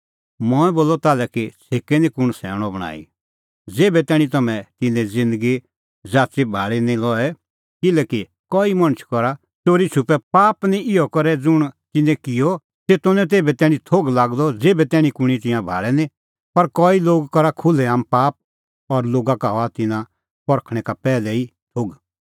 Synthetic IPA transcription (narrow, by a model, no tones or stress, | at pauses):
mɔɛ̃boːlːɔt̪aːlɛkit͡sʰeːkenĩkʊɽ̃sɛ̰ːɽ̃ɔbɐɽ̃a̰ːḭ | d͡zeːbɛt̪ɛːɽ̃ĩt̪ɐmɛ̃t̪ɪnɛ̃d͡zɪ̃nd̪əɡi | d͡zaːt͡ʃibʱaːɭinĩlɔɛ | kɪlɛːki | kɔːimɐ̃ñət͡ʃʰkɔɾa | t̪oːɾit͡ʃʰupɛpaːpnĩɪɔkɐɾɛd͡zʊɽ̃t̪ɪnɛ̃kɪjɔ | seːt̪ʊ̃nɛ̃t̪̬eːbɛt̪ɛːɽ̃ĩt̪ʰoːɡlaːɡd̪ɔd͡zeːbɛt̪ɛːɽ̃ĩkʊɽ̃it̪̬ɪ̃jãbʱa̰ːɭɛnĩ | pɐɾkɔːiloːɡkɐɾakʰʊlɛaːmpaːp̚ | ɔɾloːɡakaɦɔat̪ɪnã | pɔɾkʰɽ̃ɛ̃kapɛːlɛi | t̪ʰoːɡ